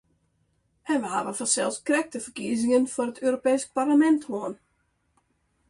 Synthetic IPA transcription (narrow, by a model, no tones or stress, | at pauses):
ʔɛnʋəɦa̰ʋəfɔnsɛlˠskrɛk̚təfərkiəzɪŋənfʊrətøːrɾopeːsk̚parləmɛnthoən